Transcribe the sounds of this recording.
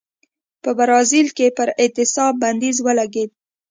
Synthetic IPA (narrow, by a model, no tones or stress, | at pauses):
pəbaɾɑzilkepəɾɪt̪ɪsɑb̚bːand̪izwəlaɡed̪̚